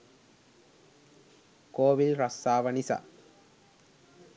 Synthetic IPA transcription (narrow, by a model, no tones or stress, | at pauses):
koːʋilɾɐst̪aːʋɐnisɐ̰